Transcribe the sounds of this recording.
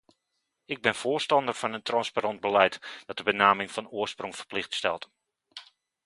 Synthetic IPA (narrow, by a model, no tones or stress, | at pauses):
ɪɡ̚bɪnfoːrstɑndərfɑnəntrɑnsparɑnd̚bəlɛjtd̥ɑt̚dəbənaːmɪŋfɑnʊəsproŋfə̥rplɪxtstɛlˠt